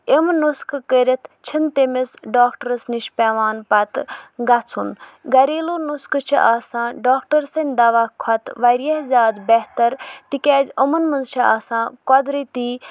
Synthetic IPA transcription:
emnuskʰkəɾʲɐt̪ʰt͡ʃʰint̪emesɖaːkʈəɾɐsniʃpʲɛːʋaːnpɐt̪ɡɐt͡sʰunɡɐɾiːlonuskɨt͡ʃʰḭʔaːsãːɖaːkʈɐɾsɐnʲd̪ɐʋaːkʰɐt̪ʋɐɾijɐɦzʲaːd̪bɛɦt̪ɐɾt̪ikʲɛːzʲɐmɐnmɐnzt͡ʃʰia̰ːsãːkɔd̪ɾit̪iː

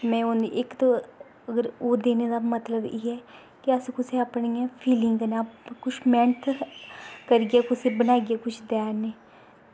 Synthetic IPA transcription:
mɛ̃ːʊneʔɪkt̪o | əɡəɾoːd̪eːned̪amət̪ləbeːɦɛː | kiəskʊseəpnijãpʰiːlɪŋɡnkʊt͡ʃʰmɛ̃ːɳt̪ | kəɾɡiakʊsebənaːɡijaːkʊt͡ʃʰd̪ɛːneː

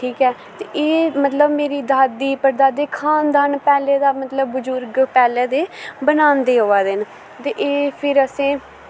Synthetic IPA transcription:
ʈʰiːkɛː | t̪eʔeːmət̪ləbmeːɾiːd̪aːd̪iːpəɾd̪aːd̪eːkʰaːnd̪aːnpɛːleːd̪aːmət̪ləbːʊzʊɾɡpɛːlɛːd̪eːbənaːnd̪eːɦoːaːd̪ɪn | t̪eʔeːpʰɪɾəsẽː

